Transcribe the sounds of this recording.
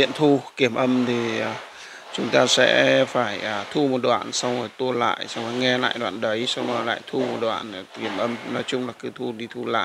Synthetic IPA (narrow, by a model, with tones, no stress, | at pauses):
ḭ˧˨ənt̪ʰu˧ki˧˩əmʔə˧mt̪ʰi˨˩ə˨˩ | t͡ɕʊ˨˦ŋ͡mt̪aː˧sɛ̰˧˥faː˧˩jːt̪ʰu˧mo˨˩t̚ɗwa̰ː˧˨nsa˧wŋ͡mhɔ˨˩jt̪u˧əla̰ː˧˨jsa˧wŋ͡mhɔ˨˦jŋɛ˧la̰ː˧˨jɗwa̰ː˧˨nɗə˨˦jsa˧wŋ͡mɔ˨˦la̰ː˧˨jt̪ʰu˧mo˨˩t̚ɗwa̰ː˧˨n˨˩ki˧˩əmʔə˧mnɔ˨˦jt͡ɕʊ˧ŋ͡mlaː˨˩kɨ˨˦t̪ʰu˧ɗi˧t̪ʰu˧la̰ː˧˨